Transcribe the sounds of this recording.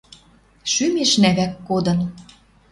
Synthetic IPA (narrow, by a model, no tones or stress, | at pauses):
ʃymeʃnæβækːod̪ɤ̆n